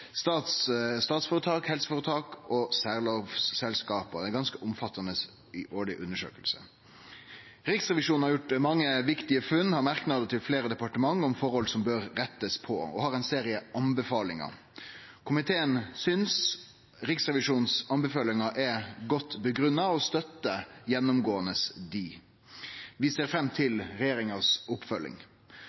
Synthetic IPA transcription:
st̪ɑːt̪sst̪ɑːt̪sfoːɾət̪ʰɑːkhɛlsə̥fɔːɾət̪ʰɑːkɔsæːʁloːʋssɛlskɑːpəd̪ɛɡɑnskəʔʊmfɑt̪ʰːɑnəs | ɪʔoːɭɪʔʉnːəʂø̰ːkəlsə̰ | ɾɪksʁɛʋɪʂuːn̩hɑɾjʊʈmɑŋːəʋɪkt̪ɪəfʉnːhɑɾmɑɾknɑd̪ət̪ʰɪlfleːɾəd̪ɛpɑʈəmɑŋːɔmfɔɾhɔlsɔmbøɾɾɛt̪ːəspʰɔ̰ɔ̰hɑɾɛnseːɾɪəʔɑnbəfɑːlɪŋɑ̰ | kʰʊmɪt̪ʰeːənsʏns | ɾɪksʁɛʋɪʂuːnsɑnbəfɑːlɪŋɑʔɛɡɔt̪ːbəɡɾʉnːɑɔst̪œt̪ːəjɛnːʊmɡoːənəsd̪iː | ʋɪseːɾfɾɛmːt̪ʰɪlɾɛjeːɾɪŋɑsʊpfœlːɪ̰ŋ

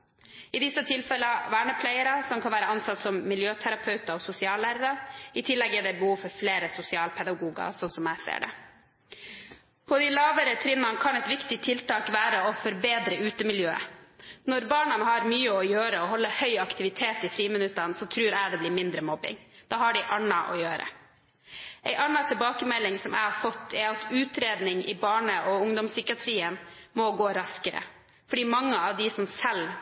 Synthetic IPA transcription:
ɪd̪ɪsːət̪ʰɪlfɛlːəʋæːɳəpʰlæɪəɾɑsɔmkʰɑnʋæːɾəɑnsɑt̪sɔmːɪljøːt̪ʰæɾɑpʰœʉt̪ɑɔsʊsɪɑːlæːɾəɾɑɪt̪ʰɪlːɛɡɛɖɛbəhuːʋfɔɾfleːɾəsʊsɪɑːlpʰɛd̪ɑɡuːɡɑ̰sɔnsɔmæɪsḛːɖɛ̰ | pʰɔd̪ɪlɑːʋəɾət̪ʰɾɪnːɑnkʰɑnɛt̪ʋɪkt̪ɪt̪ʰːɪlt̪ɑːkʋæːɾəɔfɔɾbeːd̪ɾəʉːt̪əmɪljøːə̰nɔɾbɑːɳənəɦɑɾmyːəɔjøːɾəɔɦɔlːəhœʏɑkt̪ɪʋɪt̪ʰeːt̪ɪfɾiːmənʉt̪ːɑnsɔt̪ʰɾʉːɾæɪd̪ɛblɪmɪnd̪ɾəmɔbːɪ̰ŋd̪̥ɑːhɑɖɪʔɑnːɑʔɔ̰jøːɾə̰ | ʔɛɪʔɑnːɑt̪ʰɪlbɑːkəmɛlːɪŋsɔmæ̰ɪhɑɾfɔt̪ʰːɛɾɑt̪ʰʉːt̪ɾeːd̪nɪŋɪ̰bɑːɳəʔɔʊŋd̪ɔmsʏkɪɑt̪ʰɾiːənmɔɡoːɾɑskəɾə̰ | fɔɖiːmɑŋːəɑʋd̪ɪsɔmsɛl

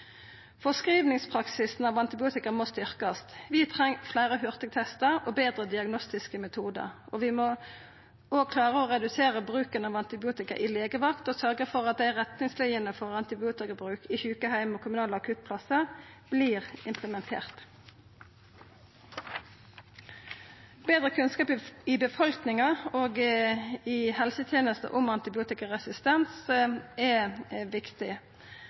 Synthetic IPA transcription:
fɔskʁiːʋnɪŋspʰʁɑksɪsn̩ɑʋɑnt̪ɪbɪuːt̪ɪkəʁmost̪ʏʁkɑst̪ʋɪt̪ʰʁɛŋflæɪːʁəhʉʁt̪ɪɡ̚t̪ʰɛst̪əʁoːbeːd̪ʁəd̪ɪɑɡnɔst̪ɪskəmɛt̪ʰuːd̪ə̰ʁʔoːʋɪmo | oːɡ̚kʰlɑːʁəoːʁɛd̪ʉseːʁəbʁʉːkənɑʋɑnt̪ɪbɪuːt̪ɪkə̰ʔɪleːɡəʋɑkt̪oːsœʁɡəfɔʁɑt̪̚d̪æɪʁɛt̪nɪŋslæɪənəfɔʁɑnt̪ɪbɪuːt̪ɪkəbʁʉːkiçʉːkəhæɪmɔːkʰʊmʉnɑːlɑkʰʉt̪̚pʰlɑsəb̥liːʁɪmpʰləmɛnt̪ʰḛːʁt̪ | beːd̪ʁəkʰʉnskɑːpɪbəfɔlknɪŋɑoːɡ | ɪhɛlsət̪ʰjeːnəst̪ə̰ʔʊmɑnt̪ɪbɪuːt̪ɪkəʁɛsɪst̪ɛnsɛʋɪkt̪ɪ

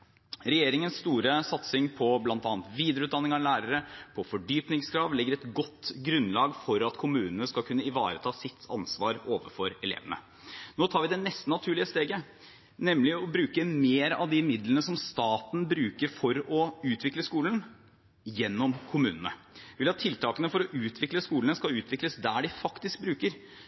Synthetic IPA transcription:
ɾɛjeːɾɪŋənsːt̪uːɾəsɑt̪sɪŋpʰɔblɑnt̪ɑːnt̪ʋiːd̪əɾʉːt̪d̪ɑnːɪŋɑlæːɾəɾəpʰɔfɔɖyːpnɪŋskʰɾɑːʋlɪɡːəɾɛt̪ɡɔt̪ːɡɾʉnlɑːɡfɔɾɑt̪kʰʊmʉːnənəskɑlkʰʉnːəɪʋɑ̰ːɾət̪ʰɑːsɪt̪ʰːɑ̰nsʋɑːɾoːʋə̰fɔɾɛlḛːʋənə̰ | noːt̪ʰɑːɾʋɪd̪ɛnɛst̪ənɑt̪ʰʉːɭɪəst̪eːɡə | nɛmlɪɔbɾʉːkəmeːɾɑ̰ʋd̪ɪmɪd̪lənəsɔmst̪ɑːt̪n̩bɾʉːkəɾfɔɾɔʉːt̪ʰʋɪkləskuːlən | jɛnːɔmkʰʊmʉːnənə̰ | ʋɪlɑt̪ʰːɪlt̪ʰɑːkənəfɔɾɔʔʉːt̪ʰʋɪkləskuːlənəskɑʉːt̪ʰʋɪkləsd̪æːɖɪfɑkt̪ɪsk̚bɾʉːkəɾ

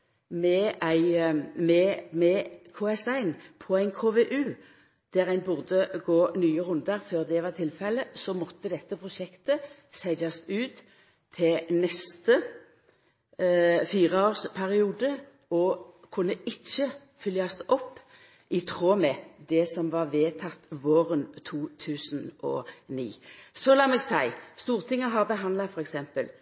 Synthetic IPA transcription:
mɛæɪmɛmɛkʰoːɛsæɪnpʰɔæɪnkʰoːʋeʔʉː | d̪̥æʁæɪnbʉʁd̪əɡoːnyːəʁʉnd̪ɑʁføːʁd̪ɛʋɑːʁt̪ʰɪlfɛlːəsɔmɔt̪ːəd̪ɛt̪ːəpʰʁʊʃɛkt̪ə | sæɪɡɑsʉːt̪ʰː | ɪlnɛst̪ə | fiːʁəoːʁspʰæʁɪuːd̪ə | ɔkʰʊnːəɪt͡ʃːə | fʏljɑsʔɔpː | ɪt̪ʰʁoːmɛd̪ɛsɔmʋɑʁʋeːt̪ʰɑt̪ːʋoːʁənt̪ʰuːt̪ʰʉːsnɔ̰nḭːsɔlɑːmɛɡsæɪst̪uːʁt̪ʰɪŋːəɦɑʁbəɦɑnd̪lɑfɔʁɛksɛmpəl

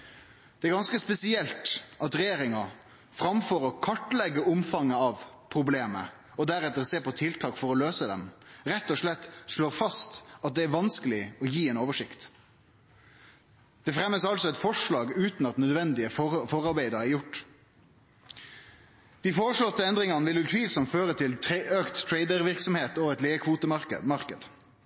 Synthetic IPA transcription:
d̪ɛæɾɡɑnskəspɛsɪɛlt̪ɑt̪ɾɛjeːɾɪŋɑ | fɾɑmfɔɾɔkʰɑʈlɛɡːəʔʊmfɑŋəɑʋ | pʰɾʊbleːmə̰ | ɔd̪æɾɛt̪ːəʁseːɾpɔt̪ʰɪlt̪ʰɑːkfɔɾɔløːsəd̪ɛ̰mɾɛt̪ːɔʂlɛt̪ːʂloːɾfɑst̪ɑt̪̚d̪ɛæɾʋɑnskəlɪɔjiːɛːnoːʋəʂɪkt̪ | d̪̥ɛfɾɛmːəsɑlsɔɛt̪fɔʂlɑːɡʉːt̪nɑt̪nœd̪ʋɛnd̪ɪəfɔɾɑɾbæɪd̪əɾæɾjʊʈː | d̪̥iːfoːʁəʂlɔt̪ːəɛnd̪ɾɪŋɑnəʋɪljʉt̪ʰʋiːlsɔmt̪føːʁət̪ʰɪløːkt̪ʰːɾeɪd̪əɾʋɪɾksɔmheːt̪ɔɛt̪leːəkʰʋuːt̪əmɑkəmɑʁkəd̪

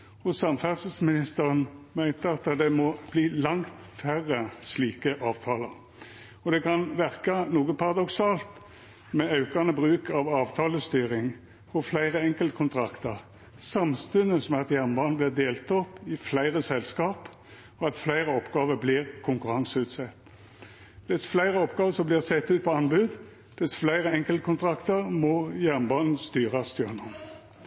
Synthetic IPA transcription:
hʊsɑmfæʁsəsmɪnɪst̪əʁənmæɪnt̪əɑt̪d̪ɛmɔb̥liːlɑŋt̪fæʁəsliːkəʔɑːʋt̪ʰɑːləʁ | ɔd̪ɛkʰɑnʋæʁkɑnuːɡəpʰɑʁɑd̪ɔksɑːlt̪ | mɛɑʉkɑnəbʁʉːkɑʋɑːʋt̪ʰɑːləst̪yːʁɪŋ | hɔflæɪʁəɛŋkəlt̪kʰʊnt̪ʰʁɑkt̪əʁ | sɑmst̪ʉnəsmɛɑt̪jæʁnbɑːnn̩blɪːʁd̪eːlt̪ɔpːɪflæɪʁəsɛlskɑːp | ɔɑt̪flæɪʁəɔpɡɑːʋəbliːʁkʰʊŋkʉʁɑŋsəʉːt̪sɛt̪ː | ʋɪsflæɪʁəɔpɡɑːʋəsɔmblɪːʁsɛt̪ːʉːt̪̚pʰɔɑnbʉːd̪ | ʋɪsflæɪʁəɛŋkəlt̪əkʰʊnt̪ʰʁɑkt̪əʁmɔjæʁnbɑːnn̩st̪yːʁɑst̪jøʁnɔm

